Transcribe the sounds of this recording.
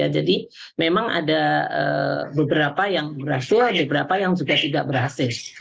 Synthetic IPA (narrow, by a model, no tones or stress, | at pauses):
a̰d͡ʒadi | memaŋa̰daə̰bəbəɾapajaŋbərɦasɪrbəbəɾapajaŋd͡ʒuɡat̪idaʔ̚bərɦasɪl